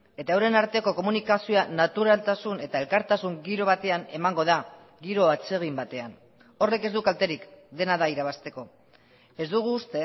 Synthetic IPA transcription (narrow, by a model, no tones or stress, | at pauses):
e̞t̪aewɾe̞naɾt̪e̞ko̞ko̞munikasio̞anat̪uɾalt̪asune̞t̪ae̞lkaɾt̪asuŋɡiɾo̞β̞at̪e̞ane̞maŋɡo̞ða | ɡiɾo̞at͡se̞ɣ̞imbat̪e̞an | o̞re̞ke̞zd̪ukalt̪e̞ɾikd̪e̞naðaiɾaβ̞ast̪e̞ko̞ | e̞zd̪uɣ̞uːst̪e̞